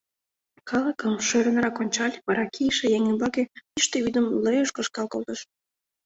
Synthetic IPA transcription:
kʰɑlˠəkəmʃøɾə̆nrɑkonʲt͡ɕɑlʲβɑɾɑkʰijʃejeŋənbɑkeiʃt̪eyd̪ə̆mləjəʃkə̆ʃkɑlˠkolˠt̪əʃ

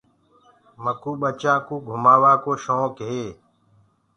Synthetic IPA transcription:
məkuːɓət͡ʃãːkuːɡʱʊmaːʋaːkoːʃõːkɦeː

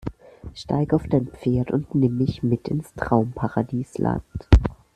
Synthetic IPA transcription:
ʃta̰ɪɡəaʊfd̥aɪnpp͡feːɐtʊntnɪmːɪçmɪtɪnstʁ̥aʊmpʰaʁadiːsla̰nt

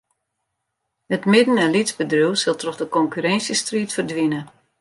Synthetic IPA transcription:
hətmɪdən̩ɛnlitzbədrywsəlˠtrɔχdəkɔŋkyɾɛnsjəstriːtfərdʋinə

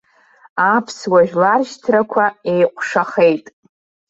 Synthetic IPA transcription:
apʰswaʒᶣlarʒtʰrakʷʰae̞jqʷʼʂaχe̞jtʼ

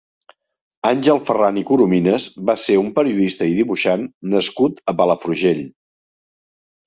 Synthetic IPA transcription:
anʲʒɛlˠfəranikuɾuminəzβaseumpəɾiuðist̪əiðiβuʃanːəskut̪əpaləfɾuʒeʎ

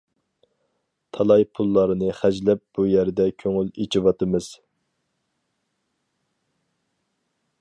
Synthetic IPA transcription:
t̪ʰɑlˠɑjpʰulˠːɑɾɨnɨχæd͡ʒlɛp̚b̥ujæɾd̪ɛkʲʰøŋylet͡ʃʰiwɑt̪ɨmɨz̥

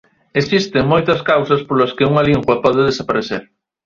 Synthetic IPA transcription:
esist̪eŋmojt̪ɐskawsɐspolaskeuŋaliŋɡwɐpɔðeðesapaɾeθḛɾ

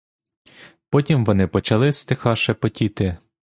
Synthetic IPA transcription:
pɔtʲimʋɔnɪpɔt͡ʃɐlˠɪst̪ɪxɑʃɛpɔtʲit̪ɪ

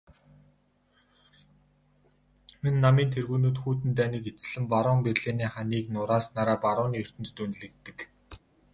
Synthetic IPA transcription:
minːamiːnt̪ʰerɣuːnuːt̪xuːt̪̬ɘ̆nt̪̬æːniːket͡s̆ɮɘ̆mpaɾʊːmperɮeːniːχaniːknʊɾaːsnaːɾaːpaɾʊːniːɵr̥t̪ɘ̆ntt̪un̆ɮɘ̆k̚t̪ːɘ̆k

